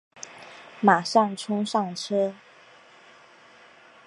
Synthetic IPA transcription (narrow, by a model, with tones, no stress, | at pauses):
ma˨˩ʂɑ˥˩ŋʈ͡ʂʰʊ˥ŋʂɑ˥˩ŋʈ͡ʂʰɤ˥